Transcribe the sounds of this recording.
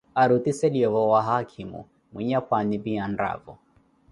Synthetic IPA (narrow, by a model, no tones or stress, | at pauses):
aɾut̪isɛliɔvɔwaɦakʰimṵ | mwiɲakwanibianda̰vɔ̰